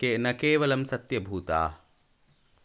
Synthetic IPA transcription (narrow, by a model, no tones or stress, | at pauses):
kenɐkeːʋɐlɐmsɐt̪jɐbʱuːt̪a̰ː